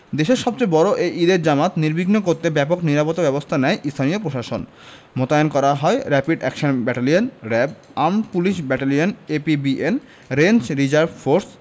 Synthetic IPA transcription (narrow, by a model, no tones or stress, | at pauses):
d̪eʃeɾʃɔb̚t͡ɕejbɔɾoʔejʔid̪eɾd͡ʑamat̪niɾbiɡnokoɾt̪ebɛpokniɾapot̪obɛbost̪ʰanɛjʔist̪ʰaniopɾoʃaʃon | mot̪aonkɔɾaɦɔeɾɛpiɖɛkʃonbɛʈalionɾɛb | ampuliʃbɛʈalionepibien | ɾend͡ʑɾid͡ʑaɾbfoɾs